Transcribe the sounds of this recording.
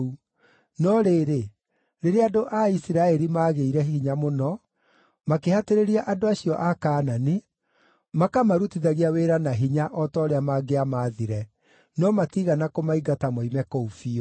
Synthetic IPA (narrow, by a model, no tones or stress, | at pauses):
u | nɔɾeːɾe | ɾeɾeadoʔaisiɾaɛɾimaːɣeiɾɛɦiɲamonɔ | makehateɾeɾiaʔadoaɕiɔʔakaːnane | makamaɾutiðaɣiaweɾanaɦiɲaʔɔtɔːɾeamaɡeamaːðiɾɛ | nɔmatiɣanakomaiɡatamɔimɛkoufi